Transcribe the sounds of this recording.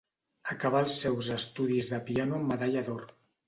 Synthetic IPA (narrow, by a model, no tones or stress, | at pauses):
əkaβalˠsːɛwzəst̪uðizðəpianuməðaʎaðor